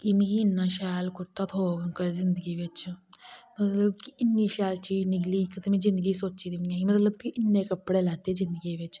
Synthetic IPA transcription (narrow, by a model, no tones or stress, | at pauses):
kimĩkiɪnːãːʃaːlkʊɾt̪aːt̪ʰoːɡəŋkəzɪnd̪əɡiːʋɪt͡ʃ | mət̪ləbkiɪnːĩːʃaːlt͡ʃiːd͡ʒnɪkliːkɪt̪əmẽːzɪ̃nd̪əɡiːsoːt͡ʃiːd̪imiaimət̪ləb̚kiʔɪnːẽːkəpːɽeːlɛːt̪eːzɪ̃nd̪əɡiʋɪt͡ʃ